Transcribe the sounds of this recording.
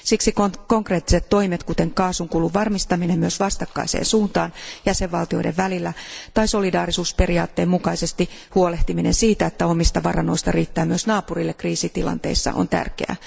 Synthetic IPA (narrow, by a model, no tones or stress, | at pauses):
siksikoko̞ŋkreːt̪ːi̥set̪to̞imet̪kut̪eŋkɑːsuŋkuːluʋʋɑrmist̪ɑminemyøsʋɑst̪ɑkːɑ̰isḛːnsuːnt̪ɑːnjæseʋʋɑlt̪io̞ideʋʋælilːæt̪ɑiso̞lidɑːrisuːspe̞riɑːt̪ːe̞ːmmukɑise̞st̪ihuoleht̪iminensiːt̪æet̪ːæo̞mist̪ɑʋɑrɑno̞ist̪ɑriːt̪ːæːmyøsnɑːpurilːekriːsit̪ilɑ̰nt̪e̞̰isːɑ̰ʔo̰nt̪æ̰rkḛæ̰